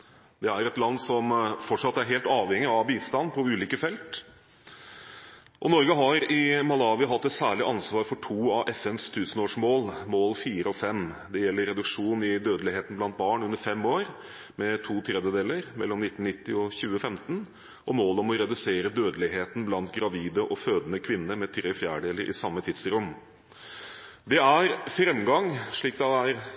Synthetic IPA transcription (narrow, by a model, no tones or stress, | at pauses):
d̪̥ɛæɾɛt̪lɑnd̪sɔmfɔʈʂɑt̪ːæɾɦeːlt̪ɑːʋhɛŋːɪɑʋbiːst̪ɑnːpʰɔʉːliːkəfɛlt̪ | ʔɔnɔɾɡəɦɑɾɪmɑlɑːʋɪɦɑt̪ːɛt̪sæːɭɪʔɑnsʋɑːɾfɔʈʰuːɑʋʔɛfɛnst̪ʰʉːsənoːʂmoːlmoːlfiːɾəɔfɛmd̪ɛjɛlːəɾɛd̪ʉkʂuːnɪd̪øːd̪əlɪheːt̪n̩blɑnt̪̚bɑːɳʉnːəɾfɛmːoːɾ | mɛt̪ʰuːt̪ʰɾɛd̪jəd̪eːləɾmɛ̰lːɔmnɪt̪ːn̩nɪt̪ːɪɔçʉːəfɛmt̪n | ʔɔmoːlɔmɔɾɛd̪ʉseːɾəd̪øːd̪əlɪɦeːt̪n̩blɑnt̪ɡɾɑʋiːd̪əʔɔføːd̪ənəkʰʋɪnːəɾmɛt̪ʰɾeːfjæːɖeːləɾʔɪ̰sɑmːət̪ʰɪd̪sɾʊm | d̪ɛæɾfɾɛmɡɑŋʂɭiːk̚d̪ɛæɾ